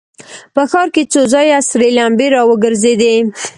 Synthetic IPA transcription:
pəxɑɾket͡sozɑjasɾelambeɾɑwəɡəɾzed̪e

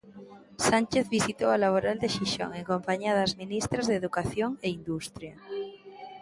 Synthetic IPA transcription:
sanʲt͡ʃeθβisit̪owalaβ̞oɾald̪eʃiʃo̰ŋeŋkõmpaɲiaðazmĩnist̪ɾazðeːðukaθjoŋeind̪ust̪ɾja

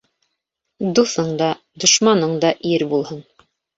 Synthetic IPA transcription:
d̪uθɤɴd̪ɑ | d̪ŏʃmɑnɤɴd̪ɑʔiɾbulˠhɤn

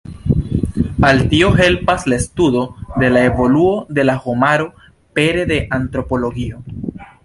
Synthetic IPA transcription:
altio̞ɦe̞lpaslaestudo̞de̞lae̞vo̞luo̞de̞lahomaɾo̞ | pe̞ɾe̞de̞ʔant̪ɾo̞po̞lo̞ɡio̞

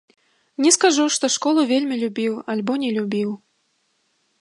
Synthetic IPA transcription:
nʲɛskaʐuʂt̪ɔʂkɔlˠuvʲelʲmʲilʲubʲiwalʲbɔnʲɛlʲubʲiw

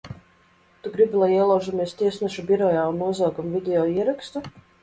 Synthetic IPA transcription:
t̪uɡɾibilˠajiɛlˠawʒamiɛst̪iɛsnɛʃubʲiɾɔjaːunːuɔzawɡamvʲid̪ʲeɔːiɛɾakst̪u

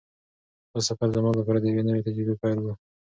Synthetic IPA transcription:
bəsafaɾd̪əmɑləpɑɾad̪əjawenəwet̪ad͡ʒɾibepajldu

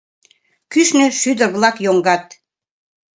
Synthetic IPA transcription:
kyʃnø̆ʃyd̪ə̆rβlɑkjoŋɡɑt̪

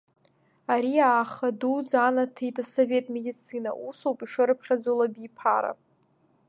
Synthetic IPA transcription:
aɾiaːχadud͡zanatʰejtʼasove̞tʼme̞dit͡sʰɨna̰ʔusowpʼiʂɨɾɨpʰχʲad͡zolabipʰa̰ɾa̰

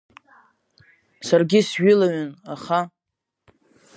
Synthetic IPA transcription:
sarɡʲɪsʒʏlaɥʏnaχa

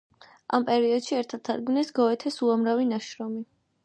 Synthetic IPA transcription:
ampʼɛɾiɔd̪̥ʃiɛɾt̪ʰat̪ʰːad̪ɡmnɛsɡɔɛt̪ʰɛsuamɾavinaʃɾɔmi

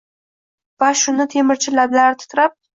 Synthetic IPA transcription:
vaʃʊnɪt̪ʰe̞mɪɾt͡ʃʰɪlablaɾɪt̪ʰɪ̥t̪ɾap̚

